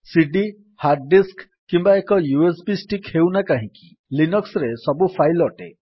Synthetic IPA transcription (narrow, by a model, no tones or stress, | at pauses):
siɖi | haɾɖɖisk | kːimbaekɔjuesbisʈikhewnakaɦĩki | linɔksɾesɔbupʰajlɔʈe